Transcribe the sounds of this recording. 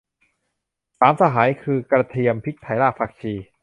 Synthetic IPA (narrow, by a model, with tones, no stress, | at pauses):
saː˩˦msa˧ɦaː˩˦jkʰɯː˧kɾa˧t̪ʰi˧əmpʰi˦˥t̚t̪ʰːa˨˩˦jlaː˥˩k̚pʰaː˨˩k̚t͡ɕʰiː˧